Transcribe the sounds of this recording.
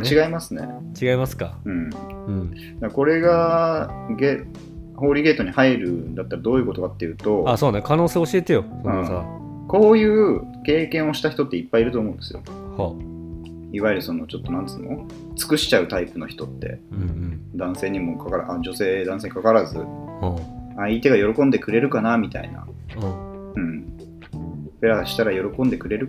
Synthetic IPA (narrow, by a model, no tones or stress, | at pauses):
t͡ɕiɡaimasɨne̞̰t͡ɕiɡaimasɨ̥ka̰ɯ̟̃ɴ | d̪akko̞ɾe̞ɡa | ɡe | ho̞ːɾʲiɡe̞ːt̪o̞ɲ̟ihaiɾɯ̟nd̪at̪ːaɾad̪oːjiɯ̟ko̞t̪o̞kat̪ːe̞jɯ̟ːt̪o̞asoːnekano̞ːseːoɕiet̪e̞josoɯ̃sa | ko̞ːjɯ̟ːke̞ːkẽɰ̃o̞ɕi̥t̪açi̥t̪o̞t̪ːe̞ipːaiɾɯt̪oːmo̞ɯ̃nd̪esɨjo̰ | ha | iβaiɾɯ̟so̞no̞t͡ɕo̞t̪ːo̞nãnd̪esɨno | t͡sɨ̥kɯ̟ɕi̥t͡ɕaɯ̟t̪aipɯ̟no̞çi̥t̪o̞t̪ːẽ̞̰ | d̪ãɰ̃se̞ːɲ̟imo̞kʰakaɾaʔad͡ʑo̞se̞ːd̪ãseːɲikakaɾazɨ̰hait̪e̞ɡajo̞ɾo̞kõ̞nd̪e̞kɯ̟ɾe̞ɾɯ̟kanamʲit̪a̰ḭnã̰ | ɯ̟̃ɴ | peɾaɕi̥t̪aɾajo̞ɾo̞kõ̞nd̪e̞kɯ̟ɾe̞ɾɯ̟